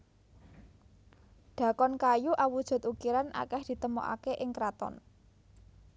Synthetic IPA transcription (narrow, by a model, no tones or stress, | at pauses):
ɖ̥ä̤kɔnkajuʔawud̥ʒ̥ṳt̪ukiɾanʔa̰kɛhd̪̥i̤t̪əmo̰ʔa̰keʔɪŋkɾat̪ɔ̰n